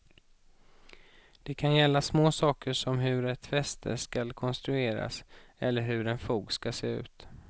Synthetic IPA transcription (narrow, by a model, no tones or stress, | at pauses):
d̪̥ɛkʰanjɛlːasmoːsɑːkəʂɔmɦɵɾɛt̪fɛst̪ʰə̰ʂkalkʰɔnst̪ɾɵeːɾa̰sɛlːəɾɦɵɖɛnfuːɡskaseːʉ̟ːt̪